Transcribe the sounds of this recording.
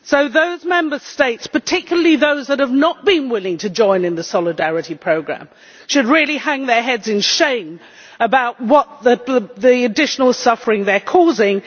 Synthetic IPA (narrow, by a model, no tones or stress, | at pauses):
soʊðoʊzmɛ̃mbə˞steɪtspə˞tʰɪkjl̩ˠəliðoʊzðət̚həvnət̚b̥ɨ̃nwɪlˠɪ̃ŋtʰɨd͡ʒɔ̃ɪ̃nɨ̃nðɨsɑlˠɨdæɹɨɾipʰɹ̥oʊɡɹæ̰̃m | ʃɨd̚ɹɪlˠihæ̃ŋðə˞ɦɛdzɨ̃nʃẽɪ̃m | əbaʊt̚wʌt̪̚ðɨðiɨdɪʃnl̩ˠsʌfə˞ɪ̃ŋðə˞kʰɔzɪ̃ŋ